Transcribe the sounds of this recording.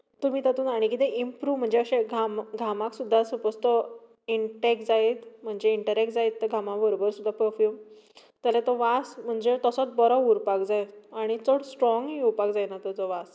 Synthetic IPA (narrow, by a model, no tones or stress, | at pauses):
t̪umiːt̪at̪uːnaɽ̃ikit̪ɛʔimpɾuːʋm̤əɳd͡zeəɕeɡʱamɡʱamaksud̪ʱːasupəst̪ɔ | iɳʈɛk̚d͡zaet̪m̤əɳd͡ʑeiɳʈəɾɛk̚ʈd͡zaet̪ːəɡʱamãʋəɾobəɾsud̪ʱːapəɾfjuːm | t̪jalet̪ɔʋasm̤əɳd͡ʑet̪əsɔt͡sbɔɾɔuɾpak̚d͡zajt̪aɽ̃it͡soɽsʈɾɔ̃ŋɡɦiuɾpak̚d͡zajnat̪əd͡zɔʋas